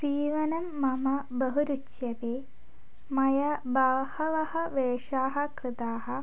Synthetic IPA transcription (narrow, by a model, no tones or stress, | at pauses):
siːʋɐnɐmːɐmɐbɐɦuɾut͡ʃjɐpeː | mɐjɐbaːhɐʋɐhɐʋeːʂaːɦɐkrɨt̪aːɦɐ̆